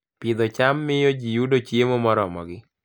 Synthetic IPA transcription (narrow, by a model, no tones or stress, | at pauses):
pɪd̪ɔt͡ʃamːɪjod͡ʒijudot͡ʃjemɔmɔɾɔmɔ̰ɡɪ